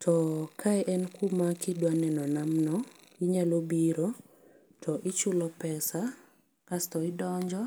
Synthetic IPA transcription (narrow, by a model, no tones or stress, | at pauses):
tʰɔkʰaɛʔɛnkumakidwanɛnɔnamnɔ | ɪɲalobiɾo | tʰɔʔɪt͡ʃʊlɔpɛsa | kastɔɪdɔɲd͡ʒɔ